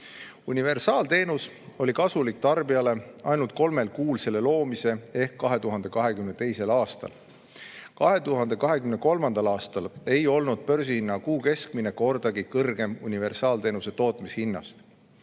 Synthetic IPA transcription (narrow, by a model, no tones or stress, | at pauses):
unive̞rsɑːlt̪e̞ːnus | o̞lʲikɑsulikt̪ɑrbiɑle̞ɑ̰jnult̪̚ko̞lmelkuːlse̞le̞lo̞ːmise̞e̞hkːɑɦe̞t̪uɦɑnd̪e̞kɑɦe̞kymnet̪e̞jse̞lɑːst̪ɑ̰l | kɑɦe̞t̪uɦɑnd̪̥e̞kɑɦe̞kymne̞ko̞lmɑnd̪̥ɑlɑːst̪ɑle̞jo̞lnud̪̥̚pø̞rs̬ihinːɑkuːke̞skmine̞ko̞rd̪̥ɑɡ̥ikɤrɡe̞munʲive̞rsɑːlt̪e̞ːnuse̞t̪o̞ːt̪mishinːɑ̰st̪